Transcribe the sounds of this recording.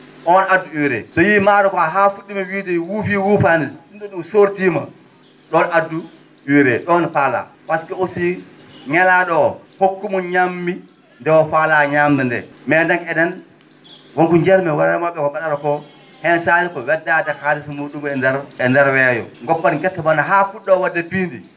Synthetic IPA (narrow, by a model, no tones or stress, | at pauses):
ʔɔnadːuwiɾɛ̰sɔjimaːɾɔkɔaɦafuɗːimɛwiːdɛwufiwufaniunɗɔɗumsoɾtima̰ | ɗɔnadːu | wiɾɛɗɔnfala̰waskaosi | ŋɛlaɗɔhokːumɔnɲamːi | ndɛwɔfalaɲamdɛndɛ̰mɛndanɛdɛn | woŋkuɲd͡ʒɛɾmɛwaɾamaɓːɛkɔɓaɗaɾɔkɔ | hɛnsaːlikɔwɛdːadɛkalisɔmuːɗumɛdɛɾɛndɛɾwɛjɔ̰ŋɡɔpːanikɛtːabanaɦafuɗːɔwadːapindi